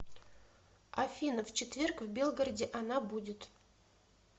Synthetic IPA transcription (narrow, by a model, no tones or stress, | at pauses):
ɐfʲinəft͡ɕɪt̪vʲerkvbʲe̞lˠɡəɾədʲɪʔɐnabudʲɪt̪